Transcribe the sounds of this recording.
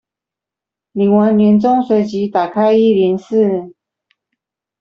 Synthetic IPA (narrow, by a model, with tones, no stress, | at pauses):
li˨˩ŋwa˧˥nljɛ˧˥nt͡sʊ˥˧ŋswe˨˩ɪt͡ɕi˧˦t̪a˨˩kʰa˥ɪi˥˨ljɛ˧˥ns̩˥˨